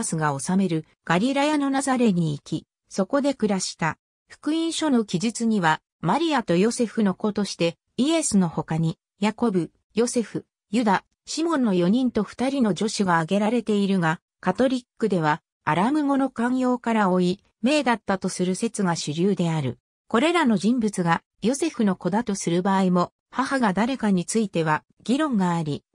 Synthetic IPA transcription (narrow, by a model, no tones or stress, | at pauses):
sɨɡao̞same̞ɾɯ̟ | ɡ̥aɾʲiɾajano̞nazaɾe̞ɲ̟iːkʲi | so̞ko̞d̪e̞kɯ̟ɾaɕi̥t̪a | ɸɯ̥kɯ̟ĩɰ̃ɕo̞no̞kʲiʑit͡sɨɲ̟iβa | maɾʲiat̪o̞jo̞se̞ɸɯno̞ko̞t̪o̞ɕi̥t̪e̞ | ie̞sɨno̞ho̞kaɲ̟i | jako̞bɯ̟ | jo̞se̞ɸɯ̟ | jɯd̪a | ɕimõ̞nːo̞jo̞ɲ̟ĩnt̪o̞ɸɯ̥t̪aɾʲino̞d͡ʑo̞ɕiɡaːɡe̞ɾaɾe̞t̪e̞iɾɯ̟ɡa | kat̪o̞ɾʲikːɯd̪e̞β̞aː | ɾamɯ̟ŋo̞no̞kãɰjo̞ːkaɾaoi | me̞ːd̪at̪ːat̪o̞sɨɾɯ̟se̞t͡sɨɡaɕɨɾʲɯːd̪e̞aɾɯ̟ | ko̞ɾe̞ɾano̞ʑĩmbɯt͡sɨɡa | jo̞se̞ɸɯno̞ko̞d̪at̪o̞sɨɾɯ̟baːimo̞ | hahaɡad̪aɾe̞kaɲ̟it͡sɨit̪e̞βa | ɡ̥ʲiɾõ̞ŋɡaːɾʲi